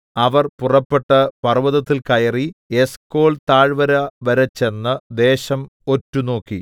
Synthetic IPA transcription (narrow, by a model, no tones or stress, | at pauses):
ɐʋɐrpurɐpːeʈːɐpɐrʋɐðɐt̪ːilkɐjɐrie̞sko̞ːɭt̪aːɻʋɐɾɐʋɐɾɐt͡ɕːe̞nːɨd̪e̞ːɕɐmo̞tːuno̞ːkːi